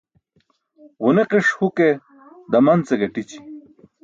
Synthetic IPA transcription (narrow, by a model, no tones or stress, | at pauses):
ʁuneqiʂhuke | d̪ɐmɐnt͡seɡɐʈit͡ɕi̥